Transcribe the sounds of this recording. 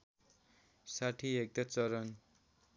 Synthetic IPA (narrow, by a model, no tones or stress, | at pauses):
saʈʰiek̚t̪ʌt͡sʌɾʌn